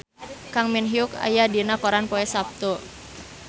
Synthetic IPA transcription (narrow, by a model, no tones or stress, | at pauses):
kaŋminɦiʊka̰jadinakoɾanpoɛsap̚t̪o